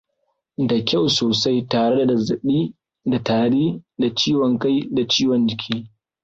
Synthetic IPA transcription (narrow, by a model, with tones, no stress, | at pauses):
da˨kʲa˦˨wsoː˨sa˦jtaː˨ɽe˦da˨dɐ˨za˨ɗiː˦ | da˨taː˨ɽiː˦da˨t͡ʃiː˦wɔ˨ŋka˦jda˨t͡ʃiː˦wɔ˨nd͡ʒɪ˨kʲʰiː˦